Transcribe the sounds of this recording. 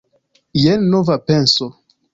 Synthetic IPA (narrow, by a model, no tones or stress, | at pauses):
jenːovapenso